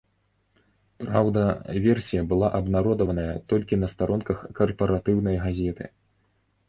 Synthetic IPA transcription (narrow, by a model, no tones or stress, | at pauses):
pɾawd̪ɐvʲɛrsʲijɐbɨlˠaʔɐbnaɾɔd̪ɐvɐnɐjɐt̪ɔlʲkʲinɐst̪aɾɔnkɐxkɐrpɐɾat̪ɨwn̪ɐjɣazʲɛt̪ɨ̰